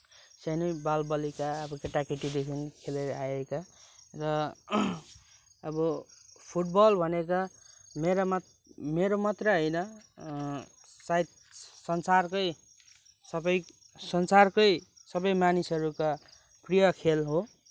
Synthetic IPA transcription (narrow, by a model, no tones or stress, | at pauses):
sʌnibalbʌlikaʌbʌkeʈakeʈid̪ekʰinkʰeleɾʌajekaɾʌ | ʌbʌpʰuʈ̚bʌlbʱʌnekʌmeɾam | meɾomʌt̪rʌɦʌjnʌ | sajt̪ | sʌnsarkʌj | sʌbʌj | sʌnsarkʌj | sʌbʌjmanisʌɾuka | prijʌkʰelɦo